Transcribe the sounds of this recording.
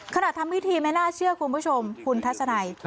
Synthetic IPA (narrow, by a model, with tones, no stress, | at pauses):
kʰa˧na˨˩t̪̚ʰa˧mwi˦˥t̪ʰiː˧ma˥˩jnaː˥˩t͡ɕʰɯ˥˩ɐkʰu˧npʰu˥˩t͡ɕʰo˧mkʰu˧nt̪ʰa˦˥t̪̚sa˧na˧j